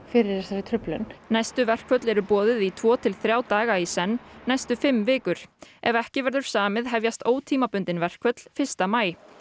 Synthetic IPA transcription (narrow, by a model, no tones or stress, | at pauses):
fɪɾɪɾ̥jɛsaɾɪt̪ʰɾʏplʏ̰nnajst̪ʏvɛr̥kʰvœt̪lɛɾʏpɔːðɪðit̪ʰv̥ɔːt̪ʰɪlθɾjaːwt̪aːɣaisɛnːajst̪ʏfɪmːvɪːkʏɾ̥ɛvɛhcɪvɛɾðʏɾ̥saːmɪðɦɛvjast̪oːwt̪ʰiːmapʏnt̪ɪnvɛr̥kʰvœt̪l̥fɪ̥st̪amaːj